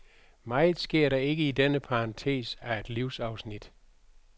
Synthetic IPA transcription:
mɑ̈ɪð̩ˠsɡ̥e̝ɐ̰ɾɑ̈e̝ɡ̥əidenəpʰɑʁɑ̈nt͡sʰe̝̰ːsæe̝d̥liʊsɑ̈ʊsnid̥

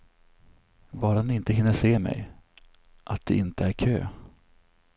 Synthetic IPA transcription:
vɑːɾanɪɪnt̪əɦɪnːəʂeːmɛ̰j | ʔat̪̚d̪ɛ̰ɪnt̪əæɾkʰø̰ː

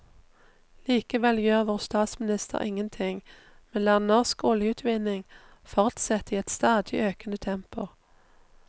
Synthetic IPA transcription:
liːkəʋɛljøːʁʋoːʁst̪ɑːt̪smɪnɪst̪ʰə̰ʁɪŋənt̪ʰɪŋ | mɛnlæːʁnɔʁskɔljəʉːt̪ʰʋɪnɪŋ | fɔʁt̪sɛt̪iːɛt̪st̪ɑːd̪ɪʔøːkənət̪ʰɛmpʊ

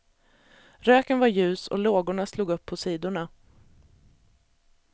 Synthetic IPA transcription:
ɾøːkənvaɾjʉ̟ːsɔ̰loːɡʊɳasluːɡɵpʰːɔsiːd̪ʊɳa

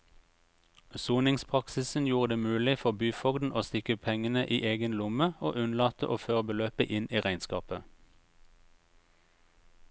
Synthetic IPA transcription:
suːnɪŋspʰʁɑksɪsn̩juːʁəd̪eːmʉːlɪfɔʁbyːfɔɡd̪n̩ʔoːst̪ɪkəpʰɛŋənəʔḭːʔeːɡənlʊməoːʔʉnlɑːt̪əʔoːføːʁəbəløːpə̰ʔɪniːʁæɪnskɑ̰ːpə

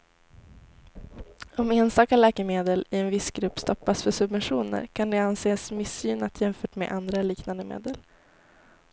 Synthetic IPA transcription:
ɔmeːnst̪ɑːkaɭɛːkəmeːd̪əlɪɛnvɪsɡɾɵpːst̪ɔpːasfœʂɵbvɛnɧuːnə̰ɾkʰand̪ɛanseːsmɪsːyːnat̪ʰjɛmfœːʈmḛːʔand̪ɾaliːknand̪əmḛːd̪əl

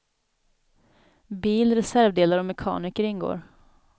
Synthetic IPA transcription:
biːlɾɛsæɾvd̪eːlaɾɔmɛkʰɑ̰ːnɪkəɾɪnːɡo̰ːɾ

